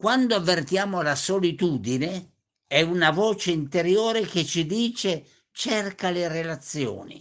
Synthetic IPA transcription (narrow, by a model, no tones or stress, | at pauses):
kwand̪oavːert̪jaːmolasolit̪uːd̪ine | ɛunavɔːt͡ʃeint̪eɾjoːɾek̟et͡ʃid̪iːt͡ʃe | t͡ʃɛrkalerelat̪sːjo̰ːnḭ